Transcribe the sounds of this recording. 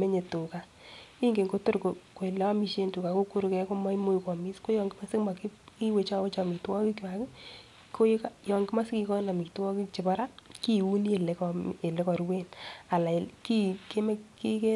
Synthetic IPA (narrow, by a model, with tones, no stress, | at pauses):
me˦ɲe˨tu˨ka˨ | i˦ŋɡe˨ŋɡo˦to˦ɾko˨ko˨i˨lɛ˦a˦mi˦ʃe˦ntu˨ka˨ko˦ku˦ɾkɛ˦ko˦ma˦i˦mo˦ikɔ˨mi˦sko˦jɔ˨ŋɡɪ˦ma˦sɪ˦kma˨ki˦ki˦we˨t͡ʃa˦we˦t͡ʃa˨mi˨ktwɔ˦ki˦kwa˨kɪ˦ | kʰo˦kajɔ˨ŋɡɪ˦ma˦sɪ˦ki˦kɔ˦na˨mi˨ktwɔ˦ki˦t͡ʃɪ˨bɔ˦ɾa˦ki˦u˦ni˦e˨le˨˦kɔ˨e˨le˦kɔ˨ɾwe˦na˨la˨ki˦ke˦me˦ki˦ke˦